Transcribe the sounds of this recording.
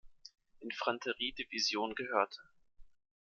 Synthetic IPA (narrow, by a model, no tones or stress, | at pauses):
ʔɪnfʁ̥antʰəʁiːdivizjoːnɡəɦøːɐtʰə